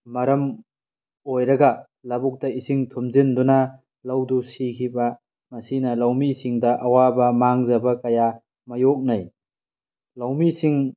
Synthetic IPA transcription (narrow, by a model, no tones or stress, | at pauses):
mɐɾɐm | ojɾɐɡɐ | lɐbuk̚tɐisiŋtʰumzinduna | lawdusikʰibɐ | mɐsinɐlawmisiŋdɐʔawabɐmaŋzɐbɐkɐja | mɐjok̚naj | lawmisiŋ